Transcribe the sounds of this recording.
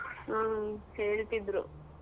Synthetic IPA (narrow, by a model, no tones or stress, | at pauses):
aːheːɭt̪id̪ɾṵ